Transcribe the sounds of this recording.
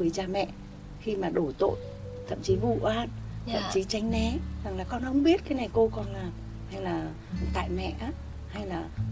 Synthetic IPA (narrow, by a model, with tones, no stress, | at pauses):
ɨ˨ə˦jt͡ɕaː˧mɛ̰˧˨ | xi˧maː˨˩ɗo˧˩t̪o̰˧˨j | t̪ʰə̰˧˨mt͡ɕi˨˦vṵ˧˨ʔaː˧nt̪ʰə̰˧˨mt͡ɕi˨˦t͡ɕa˨˦jŋ̟nɛ˨˦za˨˩ŋlaː˨˩kɔ˧nhə˧wŋ͡mɓi˦˥ət̚kaː˨˦jna˨˩jko˧kɔ˧˩nlaː˨˩m | ha˧jlaː˨˩ | t̪a̰ː˧˨jmɛ̰˧˨ʔaː˨˦ | ha˧jlaː˨˩